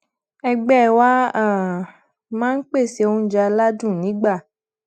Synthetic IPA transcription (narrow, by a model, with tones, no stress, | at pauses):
ɛ˧ɡ͡bɛ˦˨wa˦a˨ | mãː˦n̩˦k͡pe˦˨se˧õ˧˦d͡ʒa˧la˦dũ˦˨nĩ˨˦ɡ͡ba˦˨